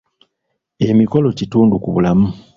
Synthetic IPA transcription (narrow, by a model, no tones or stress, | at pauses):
e̞miko̞lo̞cituːndukuβulamu